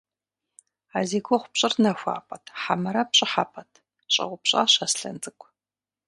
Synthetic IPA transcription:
aːzeːkʷʰoχʷʊpɕʼɪrnɐxʷa̰ːpʼɐtʰħamɐɾɐpɕʼɪħapʼɐtʰ | ɕʼɐ̰ʁʷʊpɕʼa̰ːɕɐsɬɐ̰nd͡zʼɨkʷʰʼ

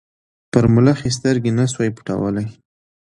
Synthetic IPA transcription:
pəɾmʊlaxes̬t̪əɾɡenaswajpu̥ʈa̰wə̰laj

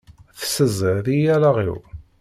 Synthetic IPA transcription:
θsəzəɾðijælaʁḭw

